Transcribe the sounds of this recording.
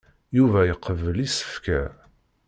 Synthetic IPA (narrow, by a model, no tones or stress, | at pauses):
juvæjəqːəvəlisə̥fkæ̰